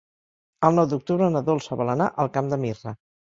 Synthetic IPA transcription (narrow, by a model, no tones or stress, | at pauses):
əlˠnɔwd̪uk̚t̪uβɾənəðolˠsəβələna̰ʔəlˠkamd̪əmirə